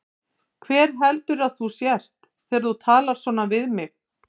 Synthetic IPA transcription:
kʰvɛːɾ̥ɦɛlt̪ʏɾaðθusjɛr̥t̪ | θɛːɾθut̪ʰaːlḁsɔːnavɪðmɪx

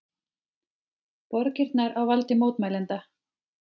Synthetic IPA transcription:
pɔɾcɪɾt̪naɾawvalt̪ɪmoːwt̪maːjlɛnt̪a

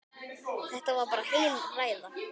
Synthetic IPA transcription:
θɛht̪avaɾpaːɾahejnraːjða

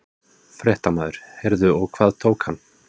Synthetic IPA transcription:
fɾɛht̪amaːðʏɾ̥hɛɾðʏɔɣkʰvaːðt̪ʰoːwkhanː

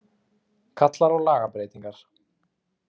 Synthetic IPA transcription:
kʰat̪laɾɔɣlaːɣapɾeːjt̪iŋkaɾ̥

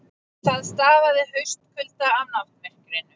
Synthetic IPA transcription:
θaðst̪aːvaðɪɦœɥst̪kʰʏlt̪aanaft̪mɛr̥kɾeːjnʏ

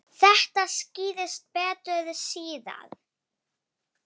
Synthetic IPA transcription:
θɛht̪asciːðɪst̪̚pɛːt̪ɾʏðʏsiːða̰ð

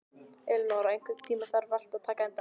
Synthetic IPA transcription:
ɛlnaːɾaejŋkvɪt̪ʰiːmafaɾval̥t̪aðt̪ʰaːkaɛnt̪

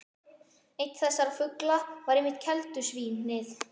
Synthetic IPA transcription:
ejt̪θɛsːaɾafʏklavaɾejmːɪht̪̚cʰɛlt̪ʏsviːnːɪθ

